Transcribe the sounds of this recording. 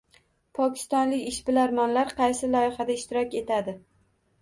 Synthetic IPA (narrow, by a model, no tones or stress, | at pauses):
pʰɒkʲʰɪ̥st̪ɒnlɪkʲɪʃbɪlaɾmɒnlaɾqʰɑjsɪlɒɪχad̪aɪʃt̪ɪɾɒkʲe̞t̪ʰad̪ɪ